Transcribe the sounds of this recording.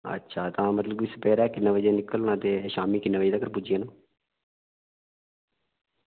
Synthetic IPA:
ə̰tːʃʰaːt̪ãːmət̪ləbʋiːsəpɛːɾɛːkɪnːaːʋəd͡ʒãːnɪkəlːñãːt̪eːʃaːmiːkɪnːãːʋəːd͡ʒd̪aːkəɾpud͡ʒijãːnãː

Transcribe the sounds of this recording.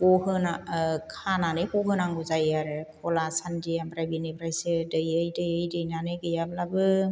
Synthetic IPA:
kɔhɯnakʰananɯjkɔɦɯnaŋɡɯzajaɾɯkʰɔlasandiabɾajbinɯbɾajsɯdɯjɯjdɯjɯjdɯjnanɯɡɯjablabɯ

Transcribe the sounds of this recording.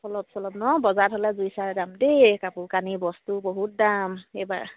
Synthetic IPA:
sɔlɔpsɔlɔbnɔbɔzatʰɔlɛzujsaɹɛdamdekapʊkanibɔstuboɦut̚damejba̰ɹ

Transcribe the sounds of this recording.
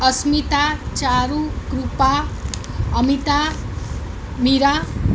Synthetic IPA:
ʌsmit̪at͡saɾukrupa | ʌmit̪a | miɾa

